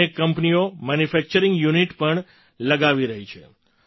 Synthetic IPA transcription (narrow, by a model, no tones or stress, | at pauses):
ekːəmpniomanjufɛk̚t͡ʃəɾĩŋɡjuniʈpəɳ | ləɡaʋiɾəɦit͡ʃʰḛ